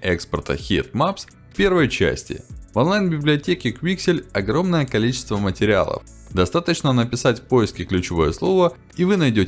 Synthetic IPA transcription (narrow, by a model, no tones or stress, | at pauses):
ʔɛkspʲərt̪ə̰xʲḭt̪̚maps | fpʲe̞rvəjt͡ɕæ̰sʲtʲɪ̰vonlˠajnbʲɪblʲɪɐtʲekʲɪkvʲiksʲɪlʲɐɡɾo̞mnəjəkɐlʲit͡ɕɪ̥st̪vəmətʲɪɾʲɪa̰lˠə̰f | d̪ɐst̪at̪ət͡ɕnənəpʲɪsatʲfʲpo̞ɪskʲɪklʲʉt͡ɕɪvo̞̰jəslˠo̞və | ivɨnɐjdʲotʲ